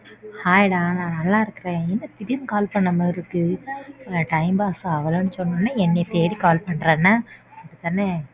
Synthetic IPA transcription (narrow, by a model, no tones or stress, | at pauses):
haːjɪɽãːnãːnɐlːãːɪɾɯkːɪɾẽːɛnːɐpɪɾɪjɐmkaːlpɐɳːɐmɐɪɾɯkːɯ | ʈɐɪmbaːsɐ̃ɐʋɐloːnːɯsɔnːɐːnːaɛnːɛt̪eːɽikaːlpɐɳːɾẽːnːaːɐðɯt̪ːanːe